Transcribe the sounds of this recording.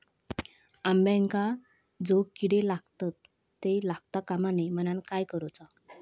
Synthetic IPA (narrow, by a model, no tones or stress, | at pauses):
ambɛ̃ŋka | d͡zokiɽelaɡt̪at̪ː | elaɡt̪akamanem̤ənankajkəɾɔt͡sa